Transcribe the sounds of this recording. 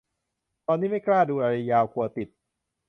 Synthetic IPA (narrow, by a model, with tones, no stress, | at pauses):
t̪ɔː˧nːiː˦˥ma˥˩jklaː˥˩duː˧ɾaː˧ɾa˧jaː˧wkʰu˧ɐt̪i˨˩t̪̚